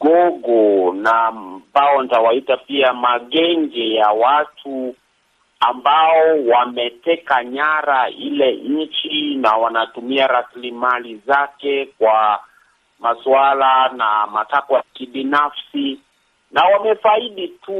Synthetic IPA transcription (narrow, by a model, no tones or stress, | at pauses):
ɡɔɡɔnabaɔntawaitapiamaɠɛŋɡɛjawatʰu | ambaɔwamɛtɛkaɲaɾailɛɲ̩t͡ʃinawanatumiaɾaslimalizakɛkwa | maswalanamatakwakiɓinafsi | nawamɛfaiɗitu